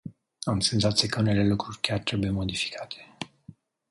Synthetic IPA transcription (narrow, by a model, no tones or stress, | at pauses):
amse̞nzat̪sijekəune̞le̞lukɾurʲkʲjart̪ɾe̞buje̞mo̞d̪ifi̥kʰat̪ʰe̥